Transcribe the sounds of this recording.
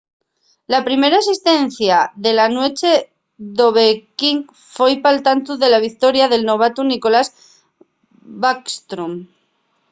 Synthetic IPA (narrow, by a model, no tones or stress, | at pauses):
lapɾime̞ɾaesist̪e̞n̟θjaðe̞lanwe̞t͡ʃe̞ | ðo̞βekiŋ | fojpalt̪ant̪uðe̞laβ̞ik̚t̪o̞ɾjaðe̞lno̞β̞at̪uniko̞las | bakst̪ɾom